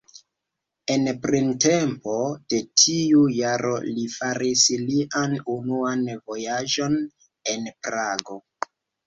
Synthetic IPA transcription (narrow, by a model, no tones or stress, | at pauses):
e̞npɾinte̞mpo̞d̥e̞tʰiujaɾo̞̰lifaɾisliʔanunuanvo̞jaʒo̞n | enpɾaɡo̞